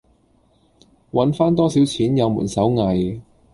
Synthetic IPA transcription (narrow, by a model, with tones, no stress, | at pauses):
wɐ˨˥nfaː˥nt̪ɔː˥si˨˥wt͡sʰiː˨˥njɐ˨˧wmṵ˨˩nsɐ˨˥wŋɐ˨j